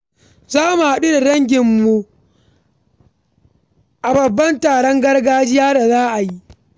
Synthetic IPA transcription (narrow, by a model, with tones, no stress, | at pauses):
zaː˦mu˨ha˦ɗu˦da˨ɽɐ˦ŋɡʲɪ˨mːu˨ | ʔa˨bɐ˨bːɐ˦ntaː˨ɽɔ˦ŋɡɐ˦rɡaː˦d͡ʒɪ˦jaː˦da˨zaː˦ʔa˨ji˦ʔ